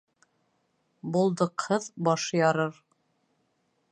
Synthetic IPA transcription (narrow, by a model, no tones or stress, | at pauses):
bulˠd̪ɤ̆qhɤðbɑʃjɑɾɤɾ